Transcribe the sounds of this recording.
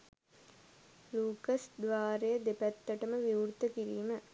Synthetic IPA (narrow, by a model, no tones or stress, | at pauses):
luːkɐsd̪ʋaːɾejəd̪epæt̪ːɐʈəməʋiuɾt̪əkiɾiːmə